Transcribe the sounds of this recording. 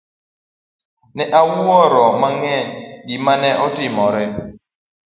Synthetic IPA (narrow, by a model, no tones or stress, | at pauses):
nɛʔawuɔɾɔmaŋɛɲɡimanɛʔɔtɪmɔɾɪ